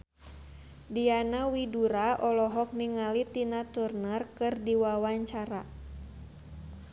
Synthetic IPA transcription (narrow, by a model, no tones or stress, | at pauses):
dianawiduɾaʔɔlɔɦɔk̚niŋalit̪inat̪urnərkɨrdiwawaɲt͡ʃaɾa